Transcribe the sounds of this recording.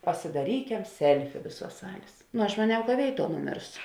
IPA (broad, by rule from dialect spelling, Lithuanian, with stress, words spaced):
pɐsʲɪdɐˈrʲiːkʲɛm ˈsʲɛlʲfʲɪ ˈʋʲeːˌsuɔs ˈsɑːlʲeːs nʊ ɐʃ mɐˈnʲɛʊ kɐ ˈʋʲeːɪˌtuɔ nʊˈmʲeːrsʊ